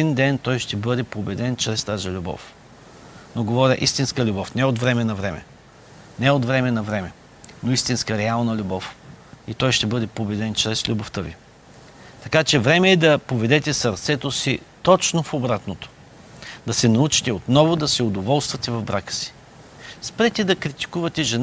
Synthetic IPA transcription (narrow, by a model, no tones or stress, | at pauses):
ind̪ɛnt̪ɔjʃt̪ɛbɤd̪ɛpobɛd̪ɛnt͡ʃɾɛst̪azilʲubɔ̰f | noɡovɔɾʲəʔist̪inskəlʲubɔfnɛot̪vɾɛmɛnɐvɾɛmɛ̰ | nɛot̪vɾɛmɛnɐvɾɛmɛ | noist̪inskəɾɛalˠnɐlʲubɔfit̪ɔjʃt̪ɛbɤd̪ɛpobɛd̪ɛnt͡ʃɾɛslʲuboft̪əvḭ | t̪ɐkat͡ʃɛvɾɛmɛːd̪ɐpovɛd̪ɛt̪ɛsɐɾt̪sɛt̪osit̪ɔt͡ʃnofobɾat̪not̪o̥ | d̪ɐsɛnɐut͡ʃi̥t̪ɛot̪nɔvʊd̪ɐsɛod̪ovɔlˠst̪vɐt̪ɛvɐvbɾakə̥si̥ | spɾɛt̪ɛd̪ɐkɾit̪i̥kuvɐt̪ɛʒɛn